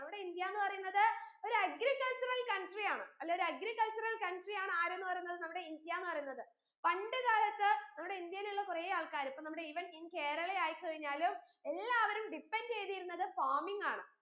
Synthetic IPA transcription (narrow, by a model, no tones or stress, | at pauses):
nɐmːuɽe̞ind̪jaːnːɨpɐrɐjunːɐðɨo̞ɾuɐɡɾikːɐɭt͡ɕurɐlkɐnʈrijaːɳɨɐlːeoɾɐɡɾikːɐɭt͡ɕurɐlkɐɳʈrijaːɳɨaːɾe̞nːɨpɐrɐjunːɐðɨnɐmːuɽe̞ind̪jaːnːɨpɐrɐjunːɐðɨ | pɐɳɖɨðaːlɐt̪ːɨnɐmːuɽe̞ind̪jɐiluɭːɐkurejaːɭkaːɾipːonɐmːuɽe̞iʋɐninːke̞ːɾɐɭejaːjikʲːɨkɐɻiɲːaːlum | e̞lːaːʋɐɾumɖipːent͡ɕe̞jt̪ijiɾunːɐðɨfaːmiŋɡaːɳɨ